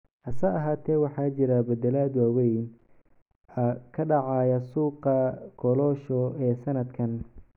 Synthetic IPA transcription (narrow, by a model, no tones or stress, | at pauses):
hɐsaːɐɦaːt̪ʰɛːwɑħɑːt͡ʃɪɾɐbɐd̪ɛlaːd̪waːwɛjn | ɐkʰɐɖɑʕɑːjɐsuːqɐɡʰɔlɔːʃɔɛːsɐnɐd̪kʰɐn